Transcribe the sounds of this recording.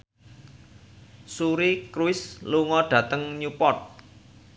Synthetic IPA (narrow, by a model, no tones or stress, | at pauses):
suɾikɾuɪsluŋɔɖ̥ä̤t̪əŋɲupɔt̪̚